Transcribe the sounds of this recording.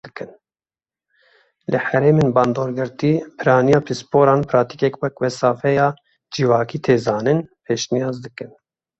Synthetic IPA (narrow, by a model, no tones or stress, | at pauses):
ɨkɨn | lɨhɛɾeːmeːnbɑːnd̪oːɾɡɨɾt̪iːpʰɨɾɑːnijɑːpʰispoːɾɑːnpʰɾɑːt̪i̥kɛkwɛkwɛsɑːfɛjɑː | d͡ʒivɑːkiːt̪ʰeːzɑːnɨnpʰeːʃnijɑːzd̪ɨkɨn